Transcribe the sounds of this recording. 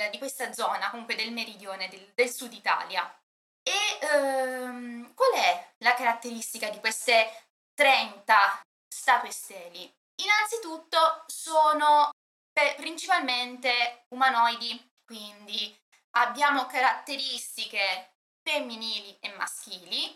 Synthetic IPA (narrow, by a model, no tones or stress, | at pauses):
d̪ikwest̪ad̪zɔːnakomuŋkwed̪elmeɾid̪joːned̪ed̪elsud̪it̪a̰ːlja̰ | e | mkwalɛlakaɾat̪ːeɾist̪ikad̪ikwest̪e | t̪ɾɛnt̪a | st̪at̪west̪ɛːli | inant̪sit̪ut̪ːosoːno | pepɾint͡ʃipalment̪eumanɔjd̪i | kwind̪i | abːjaːmokaɾat̪ːeɾist̪ike | femːiniːliemːa̰sk̟iːli